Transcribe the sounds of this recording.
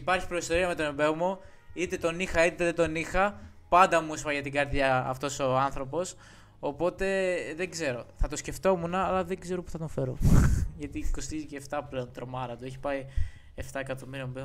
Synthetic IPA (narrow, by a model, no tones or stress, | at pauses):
ipɐɾçi̥pɾoist̪o̞ɾiɐme̞t̪o̞nembe̞omo | it̪e̞t̪o̞nixɐit̪eeðet̪o̞nixɐ | pɐnd̪ɐmuespɐʝɐt̪iɡɐɾðʝɐ̰ːft̪o̞so̞ɐnθɾo̞po̞s | opo̞t̪e̞ðe̞ɡze̞ɾo̞θɐt̪o̞sce̞ft̪o̞munɐːlɐðeɡze̞ɾo̞pu̥θɐt̪ofe̞ɾo̰ʝɐt̪iko̞st̪iziceːft̪ɐple̞o̞nt̪ɾo̞mɐɾɐt̪ueçi̥pɐi | e̞ft̪ɐekɐt̪o̞miɾiɐmbe